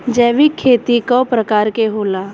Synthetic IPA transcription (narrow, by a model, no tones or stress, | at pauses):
d͡ʒɛːʋikʰːeːt̪ikopɾəkaːɾkeɦoːla